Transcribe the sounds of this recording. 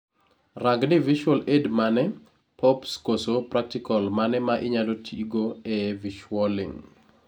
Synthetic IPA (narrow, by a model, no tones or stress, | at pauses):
raɡdɪviʃwɔledmanɛ | pʰɔpskosopɾak̚tikɔlmanɛmaʔɪɲadotʰiɡoɛviʃwɔlḭŋ